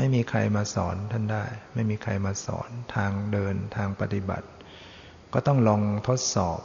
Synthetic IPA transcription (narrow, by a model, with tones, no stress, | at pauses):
ma˥˩jmiː˧kʰa̰˧jmaː˧sɔ̰ː˩˦nt̪ʰa˥˩ndaː˥˩jma˥˩jmiː˧kʰa̰˧jmaː˧sɔ̰ː˩˦nt̪ʰaː˧ŋdɤː˧nt̪ʰaː˧ŋpa˧t̪i˧˩ba̰˨˩t̪̚ | kɔː˥˩t̪ɔ˥˩ŋlɔː˧ŋt̪ʰo˦˥t̪̚sɔ̰ː˨˩p̚